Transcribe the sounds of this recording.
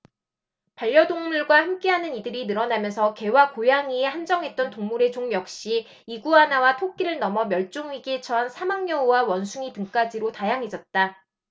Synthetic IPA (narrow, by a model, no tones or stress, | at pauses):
paʎːjʌdoŋmuɭɡwahamk͈e̞ɦanɯnidɯɾinɯɾʌnamjʌnsʰʌke̞wakojaŋiehand͡ʑʌŋɦe̞t̚t͈ʌntoŋmuɾe̞t͡ɕoŋjʌk̚ɕ͈i | iɡuanawatʰok̚k͈iɾɯɭnʌmʌmjʌɭt͡ɕ͈oŋɥiɡet͡ɕʰʌɦansʰamaŋɲʌuwawʌnsʰuŋitɯŋk͈ad͡ʑiɾotajaŋɦe̞d͡ʑʌt̚t͈a